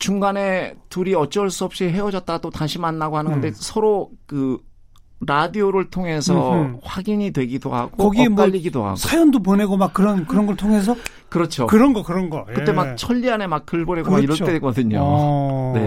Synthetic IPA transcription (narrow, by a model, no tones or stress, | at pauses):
t͡ɕuŋɡane̞tuɾiʌt͡ɕ͈ʌɭs͈uʌp̚ɕ͈iɦe̞wʌd͡ʑʌt̚t͈at͈otaŋɕʰimanːaɡoɦhanɯŋɡʌndesʰʌɾokɯ | ɾadioɾɯɭtʰoŋe̞sʰʌɸwaɡiɲidwe̞ɡido̰ha̰ɡ̥oʌɡiemp͈aʎːiɡidoha̰ɡsʰajʌndopone̞ɡomak͈ːɯɾʌnkɯɾʌnɡʌɭtʰoŋe̞s̬ʰʌ | kɯɾʌt͡ɕʰokɯɾʌnɡʌkɯɾʌnɡʌkɯtt͈e̞mak̚t͡ɕʰʌʎːiane̞mak̚k͈ɯɭboɾekɡomakiɾʌɭt͈ek͈ʌdɯɲo̰ne̞̰